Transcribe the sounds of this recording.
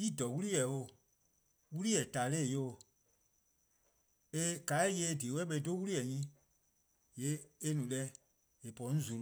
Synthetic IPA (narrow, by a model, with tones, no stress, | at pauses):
i˦˨dɔ˨wu˦i˦jɛ˨o˧˨ | wu˦li˦jɛ˨ta˨le˦˨jo˦o˨ | e˦ka˨˦je˧˦˨deː˨wɛ˦ɓɛ˧i˦do˦wu˦li˦jɛ˨ɲĩ˦ | je˨˦e˦nũ˨lɛ˧ | e˨pɔ̃˨˦ñ̩˦zu˨l